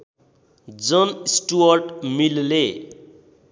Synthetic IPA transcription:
d͡zʌnisʈuʌrʈmille

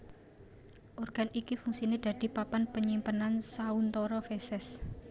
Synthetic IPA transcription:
ʔorɡ̥a̤nikifuŋsined̪̥ä̤d̪̥i̤papanpəɲimpənansaunt̪ɔɾɔfesɛs

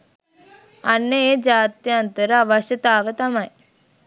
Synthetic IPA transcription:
ɐnːɐed͡ʒaːt̪jɐnt̪əɾɐʋɐʃɐt̪aːʋɐt̪ɐmɐj

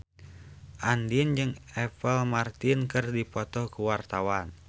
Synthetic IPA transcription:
ʔandind͡ʒɨŋɛpəlmart̪inkɨrdipɔt̪ɔhkuwart̪awan

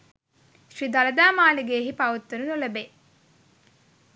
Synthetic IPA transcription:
ʃrid̪alɐd̪aːmaːliɡeːɦipɐʋut̪ːuɾunuləbe

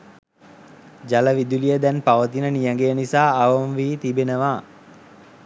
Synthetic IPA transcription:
d͡ʒaləʋid̪ulijəd̪ɛnpaʋət̪inənijaŋɡejənisaːʋəmʋiːt̪ibenəʋaː

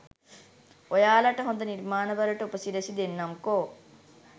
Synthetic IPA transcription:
ojaːlɐʈɐɦond̪ɐniɾmaːnɐbɐɾɐʈɐupɐsiɾɐsid̪enːɐmko

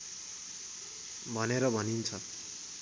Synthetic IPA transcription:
bʱʌneɾʌbʱʌnint͡sʰʌ

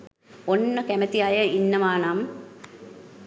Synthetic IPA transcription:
onːəkæmət̪iajəinːəʋaːnam

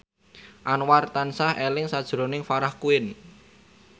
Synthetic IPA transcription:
ʔanwart̪ansahelɪŋsad̥ʒ̥ɾo̤nɪŋfaɾahkuɪn

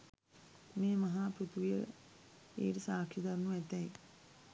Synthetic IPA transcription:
meːmɐɦaːpɾut̪uʋijə̰ | ḛːʈəsaːkʰid̪aɾnuɛt̪ɛj

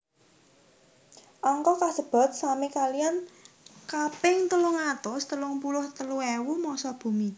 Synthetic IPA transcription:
ʔaŋkɔkasəb̥a̤t̪̚samikalijan | kapɪŋt̪əlʊŋat̪ʊst̪əlʊŋpulʊht̪əluewumɔsɔb̥ṳmi

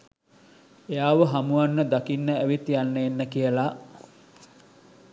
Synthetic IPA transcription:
ejaːʋəɦamuanːəd̪akinːəæʋit̪ijanːeːnːəkijəla

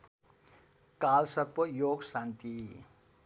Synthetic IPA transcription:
kalsʌrpʌjoɡsant̪i

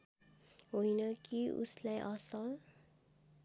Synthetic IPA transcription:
ɦojnʌkiṵslajʔʌsʌl

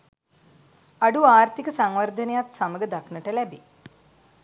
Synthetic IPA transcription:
ɐɖuaːɾt̪ʰikɐsɐŋʋɐrd̪ʱɐnɐjaːt̪sɐmɐɡɐd̪ɐkʰnɐʈːɐlɐbi

